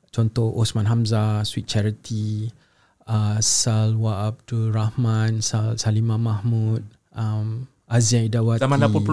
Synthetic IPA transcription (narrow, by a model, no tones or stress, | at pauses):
t͡ʃɔnt̪ɔhʔosmãnɦamzaswit̪̚t͡ʃɛɹit̪ʰi | asalwaap̚tuɾahmãnsalsalimãmahmut̪̚ | am | aziãidawaamalapu